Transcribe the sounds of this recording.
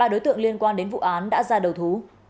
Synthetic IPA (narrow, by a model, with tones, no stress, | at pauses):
aː˧ɗo˨˦jt̪ɨ̰˧˨ə˨ŋli˧ənkwaː˧nɗe˨˦nv̰ʔaː˨˦nɗa̰ː˧˥zaː˧ɗə˨˩wt̪ʰu˨˦